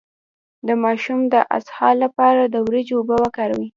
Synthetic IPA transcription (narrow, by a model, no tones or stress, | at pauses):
d̪əmɑʃumd̪əʔa̰shɑlapɑɾad̪əwɾed͡ʒʊbəwakɑɾawi